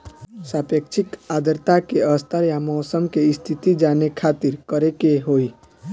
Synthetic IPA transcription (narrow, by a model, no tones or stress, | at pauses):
saːpekt͡ʃʰikaːd̪əɾt̪akeəst̪ʰəɾjamɔːsəmkeɪst̪ʰit̪id͡ʒaːnekʰaːt̪iɾkəɾekeɦoːi